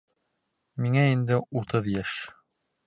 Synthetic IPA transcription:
miŋæind̪ɘut̪ɤðjæʃ

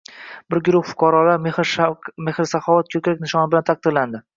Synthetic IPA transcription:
bɪɾɡʊɾʊχfʊ̥qʰɑɾɒlaɾ | mehɾɪsaχɒvat̪̚kʲʰɵkʲɾekʲnɪʃɒnɪbɪlant̪ʰaq̚d̪ɪɾland̪ɪ

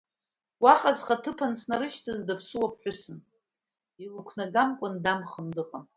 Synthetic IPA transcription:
waqʼazχatʰɨpʰansnaɾɨʃtʰazdapʰsɨwapʰħʷᶣʊsɨn | ilukʷʰnaɡamkʷʼʊndamχəmdɨqʼam

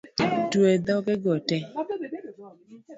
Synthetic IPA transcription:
tued̪ɔkeɡɔtɛ

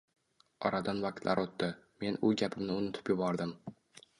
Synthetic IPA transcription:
ɒ̰ɾad̪anvaq̚t̪lʔa̰ɾʔot̪ːɪme̞nʊɡʲapʰɪmnɪʊnɪt̪ʰɪ̥pjɪbɒɾd̪ɪm

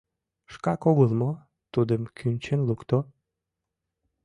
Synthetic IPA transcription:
ʃkɑkoɣəlmo | t̪ud̪əmkʰynʲt͡ɕenlukt̪o

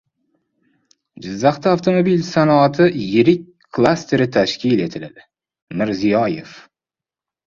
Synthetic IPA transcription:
d͡ʒɪzːɑχt̪aaft̪ʰo̞mobilsanɒat̪ʰɪjɪɾɪk̚ʲ | kʰːlˠast̪e̞ɾɪt̪ʰaʃkʲile̞t̪ʰɪlad̪ɪ | mɪɾzijɒje̞f

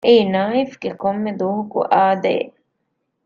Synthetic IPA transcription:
ʔeinaːifɡekomːed̪oːɦukṵʔaːd̪ḛː

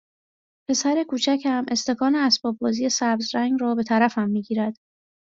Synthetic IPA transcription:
pʰe̞sæɾe̞kʰuːt͡ʃʰæcʰhæmʔe̞st̪e̞kʰɒːneæsbɒːb̚bɒːzije̞sæbzɾæŋɡɾɒːbe̞t̪ʰæɾæfæmːiːɟiːɾæd̪̥

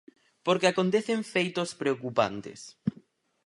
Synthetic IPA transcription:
poɾkeakont̪eθeɱfejt̪ospɾeokupa̰nt̪ḛs

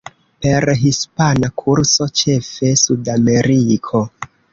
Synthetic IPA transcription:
pe̞ɾɦispanakʰuɾso̞t͡ʃe̞fe̞sudame̞ɾikʰo̞

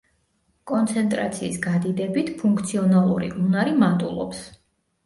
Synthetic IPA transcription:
kʼɔnt̪sʰɛnt̪ʼɾa̰t̪sʰiːsɡad̪id̪ɛbit̪ʰpʰuŋkʰt̪sʰiɔnalˠṵɾḭʔunaɾimant̪ʼṵlˠɔ̰ps

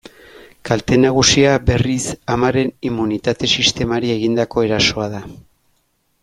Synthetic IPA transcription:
kalt̪e̞naɣ̞usiabe̞risamaɾe̞nimːunit̪at̪e̞sist̪e̞maɾie̞ɣ̞ind̪ako̞e̞ɾaso̞aða

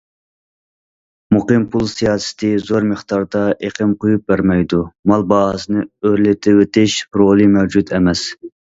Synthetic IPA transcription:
muqɨmpʰulˠsijɑːsɪ̥t̪ʰɪzoɾmɨχt̪ɑɾd̪ɑʔeqʰɪmqʰojup̚bæɾmɛjd̪umɑlˠbɑɦsɨnɨøɾlɪt̪ʰɪwet̪ɪʃpʰɾolˠɨmɛwd͡ʒut̪ʰɛmɛs

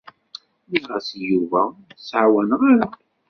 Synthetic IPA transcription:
liʁasjuvæsʕwænʁaɾa

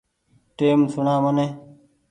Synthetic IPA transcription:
ʈeːmsunaːməneː

